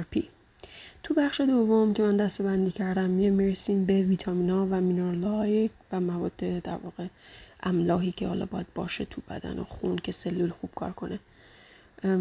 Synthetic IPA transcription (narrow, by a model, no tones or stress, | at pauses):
ɾpʰi | t̪ʰubæχʃe̞d̪o̞vːo̞mcʰe̞mænd̪æst̪e̞bænd̪iːcʰæɾd̪æmːiemiɾesiːmbe̞viːt̪ʰɒmiːnɒːvæminoɾlɒjekvæmævɒ̰ːd̪̥ːe̞d̪æ̰ɾvɒːɣe̞ʔæmlɒːɦiːcʰehɒːlɒ̰ːbɒːjæd̪̚bɒ̰ːʃe̞t̪ʰub̥æ̰d̪æ̰nʔo̰xuncʰe̞se̞lːulxub̥kʰɒ̰ːɾkʰo̞ne